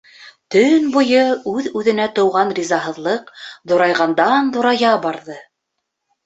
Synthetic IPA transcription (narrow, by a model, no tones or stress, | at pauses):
t̪ɵnbŭjɤʉðʉðɘ̆næt̪ɤ̆wʁɑnrʲizɑɦɤ̆ðlˠɤqðŏɾɑjʁɑnd̪ɑnd̪ŏɾɑjɑbɑɾðɤ